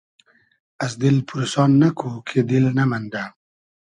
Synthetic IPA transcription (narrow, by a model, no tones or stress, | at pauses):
as̬d̪ilpʰuɾusɑːnːakʰukʰed̪ilnamand̪a